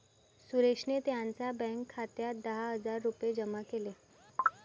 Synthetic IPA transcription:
suɾeʂnet̪jãnt͡sabɛ̃ŋkʰːat̪jad̪əɦaɦəd͡zaɾːupjed͡ʑəmakele

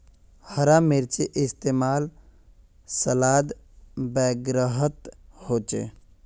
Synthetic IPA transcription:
həɾamɪɾt͡ʃeʔɪst̪eːmaːl | səlaːd̪ | bɛːɡɾəɦət̪hoːt͡ʃḛ

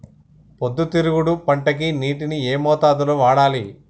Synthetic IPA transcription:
pod̪ːut̪iɾuɡuɽupɐɳʈɐk̬iniːʈinieːmɔːt̪aːd̪ɐloːʋaːɽaːli

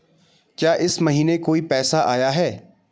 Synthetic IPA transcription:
kjaːʔɪsməɦiːnekoːipɛːsaʔaːjaɦɛː

